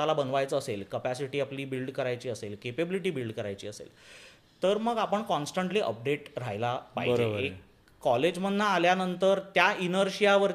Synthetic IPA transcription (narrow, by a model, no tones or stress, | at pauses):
alabənʋajt͡səːselkəpæsiʈiːapliːbilɖkəɾajt͡ɕiːəselkepebiliʈiːbilɖkəɾajt͡ɕiːəsḛl | t̪əɾməɡapəɳkɔnsʈəɳʈliːʔə̰p̚ɖeʈɾajlapa̰ɦbəd͡ʑɾebəekː | ɔled͡ʑm̤ənːaːljanənt̪əɾt̪jainəɾɕijaʋəɾ